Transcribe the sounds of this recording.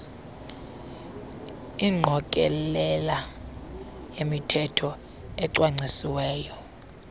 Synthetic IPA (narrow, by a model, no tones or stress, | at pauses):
iŋ͡ǀʱɔkʼɛlɛla | jemitʰɛtʰɔ | ɛǀwaŋ͡ǀʱisiwɛːjɔ